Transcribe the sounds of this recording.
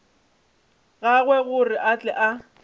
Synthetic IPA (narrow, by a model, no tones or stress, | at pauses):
ɣaɣwɛɣʊrɪʔat͡ɬʼɛʔa